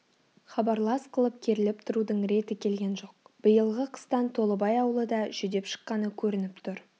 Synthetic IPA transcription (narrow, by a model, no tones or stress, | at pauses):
χɑbɑɾlˠɑsqʰəlˠəp̚kʲʰeɾɪlɪpt̪ʰʊɾud̪əɴɾe̞t̪ɪkʲʰe̞lɡʲe̞nʒo̞q̚b̥əjəlˠʁəqʰə̥st̪ɑnt̪ʰo̞lˠəbɑjɑwəlˠəd̪ɑʒ̥ʏd̪e̞pʃə̥qːɑnəkʲʰɵɾɪnɪpt̪ʰʊɾ